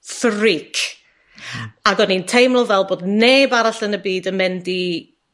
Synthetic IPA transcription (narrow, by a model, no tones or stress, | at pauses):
θrɪkʰ | aɡɔnintʰejmlɔvɛlˠboːdneːbaɾaɬənəbiːdənmɛndi